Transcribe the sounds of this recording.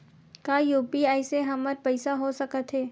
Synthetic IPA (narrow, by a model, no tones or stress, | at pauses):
kaːjuːpiaːɪseɦɐməɾpɐɪsaɦosɐkət̪ɦɛː